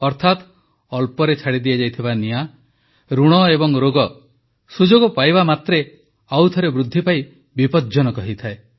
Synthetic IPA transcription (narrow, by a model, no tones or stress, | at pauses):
ɔɾt̪ʰat̪ | ɔlpɔɾet͡ʃʰaɽid̪iad͡ʒajt̪ʰibania | ɾuɽ̃ɔebɔŋɾoɡɔ | sud͡ʒoɡɔpajbamat̪ɾe | awt̪ʰɔɾebɾud̪ʱːipai | bipɔd͡ʒɔnɔkɔɦit̪ʰae